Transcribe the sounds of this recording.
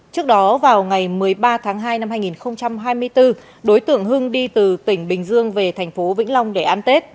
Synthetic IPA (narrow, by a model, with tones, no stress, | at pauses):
t͡ɕɨ˦˥ək̚ɗɔ˨˦vaː˨˩wŋa˨˩jmɨ˨˩əjɓaː˧t̪ʰaː˨˦ŋɦaː˧jna˧mɦaː˧jŋi˨˩nxə˧wŋ͡mt͡ɕa˧mɦaː˧jmɨ˧əjt̪ɨ˧ | ɗo˨˦jt̪ɨ̰˧˨əŋɦɨ˧ŋɗi˧t̪ɨ˨˩t̪ï˧˩ŋ̟ɓï˨˩ŋ̟zɨ˧əŋve˨˩t̪ʰɛ˨˩jŋ̟fo˨˦vḭ˧˥ŋ̟la˧wŋ͡mɗe˧˩ʔaː˧nt̪e˦˥t̚